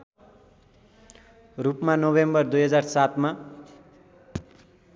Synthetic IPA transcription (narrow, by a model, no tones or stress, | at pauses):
rupmanobembʌrd̪ujɦʌd͡zarsat̪ma